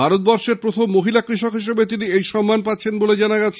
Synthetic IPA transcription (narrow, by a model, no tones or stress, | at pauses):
aɾot̪̚bɔɾʃeɾpɾot̪ʰomːoɦilakɾiʃokɦiʃebet̪̬iniejʃɔmːanpatːɕʰenboled͡ʑanaɡat͡ɕʰe